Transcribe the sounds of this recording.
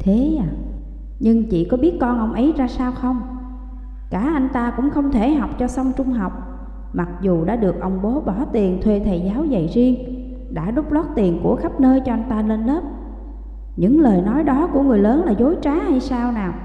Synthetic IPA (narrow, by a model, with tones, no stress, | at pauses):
t̪ʰe˨˦aː˨˩ | ɲɨ˧ŋt͡ɕḭ˧˨kɔ˨˦ɓi˦˥ət̚kɔ˧nʔə˧wŋ͡mʔə˨˦jzaː˧saː˧wxə˧wŋ͡m | kaː˧˩ʔa˧jŋ̟t̪aː˧kʊ̰˧˥ŋ͡mxə˧wŋ͡mt̪ʰe˧˩ɦa˨˩wk͡p̚t͡ɕɔ˧sə˧wŋ͡mt͡ɕʊ˧ŋ͡mɦa˨˩wk͡p̚ | ma˨˩k̚zu˨˩ɗa̰ː˧˥ɗɨ˨˩ək̚ʔə˧wŋ͡mɓo˨˦ɓɔ˧˩t̪i˨˩ənt̪ʰwe˧t̪ʰə˨˩jzaː˨˦wzə̰˨jzi˧əŋ | ɗa̰ː˧˥˩ɗʊ˦˥k͡p̚lɔ˦˥t̚t̪i˨˩ənku˧˩əxa˦˥p̚nəː˧jt͡ɕɔ˧ʔa˧jŋ̟t̪aː˧le˧nləː˦˥p̚ | ɲɨ̰˧˥ŋləː˨˩jnɔ˨˦jɗɔ˨˦ku˧˩əŋɨ˨˩əjləː˨˦nlaː˨˩zo˨˦jt͡ɕaː˨˦ha˧jsaː˧wnaː˨˩w